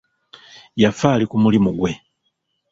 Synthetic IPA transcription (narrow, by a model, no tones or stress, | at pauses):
jafalikumulimuɡwe